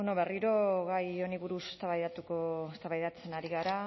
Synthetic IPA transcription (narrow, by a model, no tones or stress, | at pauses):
onoβe̞riɾo̞ɣajo̞niβuɾuse̞̥st̪aβajðat̪ukoest̪aβajðat͡se̞naɾiɣaɾa